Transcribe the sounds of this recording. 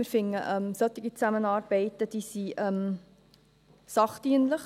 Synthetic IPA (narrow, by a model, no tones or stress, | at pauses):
ɪɾfɪŋːə̰ʔɛmsœt̪ɪɡit͡sæmənɑːɾb̥ɛɪtəd̥iːsiʔɛm | sɑχtiənləχ